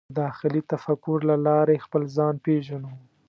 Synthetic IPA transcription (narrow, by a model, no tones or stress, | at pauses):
d̪ɑxɪlit̪afakʊɾlalɑɾexpəlzɑnpeʒanaw